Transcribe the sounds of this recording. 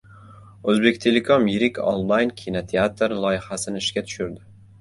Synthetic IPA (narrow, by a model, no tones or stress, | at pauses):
ɵzbe̞kʲt̪ʰelekʰomjɪɾɪkʲʰo̰nˠlˠajnkʲʰinot̪ʰeat̪ɾlˠɒjɪhasɪnɪɪʃkʲat̪ʰʊ̥ʃʊɾd̪ɪ